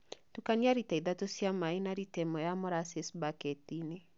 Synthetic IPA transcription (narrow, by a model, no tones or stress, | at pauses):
tukanjaɾitɛd̪atosjamaɪnaɾitemɔjamɔɾasesbaketinɪ